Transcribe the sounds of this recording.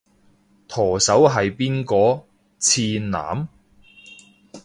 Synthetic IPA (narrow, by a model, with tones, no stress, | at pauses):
t̪ʰɔː˨˩sɐ˨˥wɦɐ˨jpiː˥nkɔː˨˧ | t͡sʰiː˧nna̰ː˨˥m